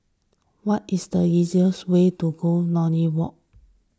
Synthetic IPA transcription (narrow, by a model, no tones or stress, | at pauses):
wɔtisdəiziəswetuɡonɔniwɔk̚